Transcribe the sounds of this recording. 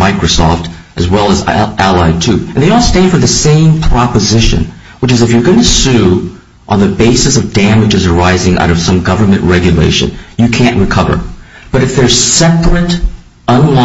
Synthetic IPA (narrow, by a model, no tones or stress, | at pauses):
aɪkɹosɔ̰ftʔɨzwɛlˠəzʔælˠaɪd̚tʰʉɨ̃nðeɪɔlˠstæ̃nd̥fə˞ðɨsẽɪ̃mpʰɹ̥ɑpəzɪʃɨ̰̃n | wət͡ʃɨzɨfjə˞ɡʌnɨsʉ | ʔə̃nðɨbeɪsɨsʌvdæ̃mɨd͡ʒɨzə˞aɪzɪ̃ŋʔa̰ʊɾʌv̥sʌ̃mɡʌvə˞mɨ̃nʔɹɛɡjɨlḛɪʃɨ̰̃njɨkʰæ̃nʔɹɨkʰʌvə̰˞b̥ʌɾɨfðə˞z̥sɛpɹɨɾ | ʌ̃nlɔ